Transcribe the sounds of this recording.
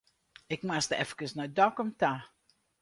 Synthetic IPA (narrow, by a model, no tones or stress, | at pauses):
ɪkmastəɛfəkəsnɔdɔkɔmta